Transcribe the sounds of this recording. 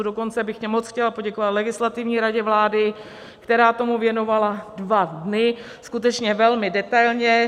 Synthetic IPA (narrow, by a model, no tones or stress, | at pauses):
udo̞ko̞nt͡sɛbɪxcɛmot͡sxcɛlapo̞ɟɛkovat̪lɛɡɪslat̪ɪvɲiːɾaɟɛvlaːdɪ | kt̪ɛɾaːt̪o̞muvjɛno̞valadvadnɪ | skut̪ɛt͡ʃɲɛvɛlmɪdɛt̪ajlɲɛ